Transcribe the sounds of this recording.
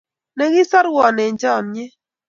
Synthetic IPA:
nɛ˨ɣɪ˦sɔ˦ɾwɔ˨nɛ˨ɲd͡ʒɔ˦˨nɲɛ˦

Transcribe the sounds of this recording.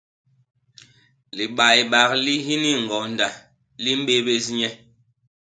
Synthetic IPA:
li˨ɓa˨jɓa˨kli˦ɦi˦ni˦ŋ̩˨ɡɔ˨nda˨ | li˦m̩˦ɓe˦ɓe˦s̬ɲɛ˦

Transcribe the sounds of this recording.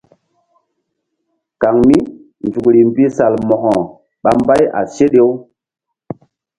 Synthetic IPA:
ka˨ŋmi˦ | nd͡ʒu˨kɾi˨mbi˦sa˨lmɔ˨hɔ̃˨ | ɓa˦mba˦ja̰˨se˦ɗe˦w

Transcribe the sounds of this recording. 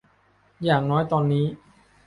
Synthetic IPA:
jaː˨˩ŋnɔː˦˥jt̪ɔː˧nːiː˦˥

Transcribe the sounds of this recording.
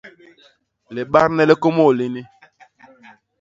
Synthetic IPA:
le˨ɓa˦ɾnɛ˦le˦ko˦mo˦˨li˦ni˦

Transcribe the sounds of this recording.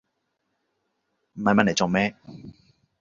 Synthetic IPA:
m̩˨˩hɐ˧mɐ˥le˨˩t͡so˨mɛː˦˥

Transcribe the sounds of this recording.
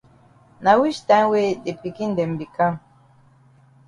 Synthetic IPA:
na˨wi˦ʃt̪a˦we˦de˨pi˨ki˦nd̪e˨mbi˨ka˦˨

